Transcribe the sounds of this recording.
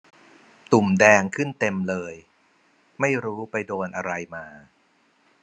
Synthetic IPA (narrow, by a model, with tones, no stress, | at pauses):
t̪u˨˩mdɛː˧ŋkʰɯ˥˩nt̪e˧mlɤː˧j | ma˥˩jɾuː˦˥pa˧jdoː˧nʔa˧ɾa˧jmaː˧